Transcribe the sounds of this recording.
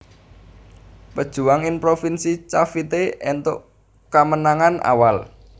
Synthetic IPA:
pəd̥ʒ̥ṳwaŋɪnpɾofinsit͡ʃafit̪eɛnt̪ʊ̰ʔ | kamənaŋanʔa̰wal

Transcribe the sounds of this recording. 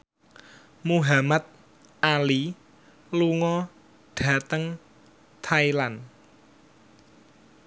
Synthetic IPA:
muɦamat̪̚ | ʔali | luŋɔ | ɖ̥ä̤t̪əŋ | t̪ʰailan

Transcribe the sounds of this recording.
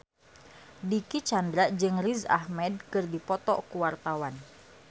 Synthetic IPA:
dikit͡ʃandɾad͡ʒɨŋriza̰hmɛd̚kɨrdipɔt̪ɔ̰kuwart̪awan

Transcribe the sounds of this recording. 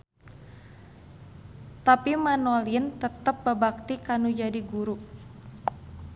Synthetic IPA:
t̪apimanolint̪ət̪əp̚bərbak̚t̪ikanud͡ʒadiɡuɾu

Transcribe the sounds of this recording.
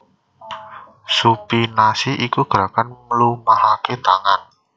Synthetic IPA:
supinasiʔikuɡ̥ɾakanməlumahaket̪aŋan

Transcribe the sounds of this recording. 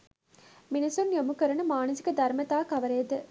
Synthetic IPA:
minɐsunjomukɐɾɐnɐmaːnɐsi̥kɐd̪ɐɾmɐt̪aːkɐʋɐɾeːd̪ɨ

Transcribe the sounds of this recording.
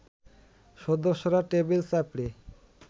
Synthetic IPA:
ʃod̪oʃːoɾaʈebelsapɽe

